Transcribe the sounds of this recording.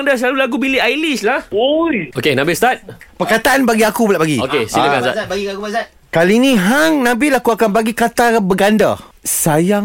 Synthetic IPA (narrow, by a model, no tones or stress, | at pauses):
ŋdasəlalulaɡubiliajlislahojokenãbɪst̪at̪̚pəkat̪aʔanbaɡiakubəlaʔbaɡiokesiəɡasa̰ɡiaua | kaliːnĩɦaŋnãbilakuakanbaɡikat̪abəɡanda̰saja